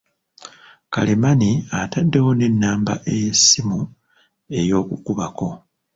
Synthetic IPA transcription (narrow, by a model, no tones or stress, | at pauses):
kalemaniatadːe̞wo̞ne̞nːaːmba̰ʔe̞jesːimu | e̞jo̞ːkukuβako̞